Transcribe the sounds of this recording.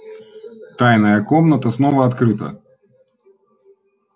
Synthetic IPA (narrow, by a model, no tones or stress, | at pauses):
t̪ajnɐjɐkɔmnɐt̪ɐsnɔvɐːt̪kɾɨt̪ɐ̰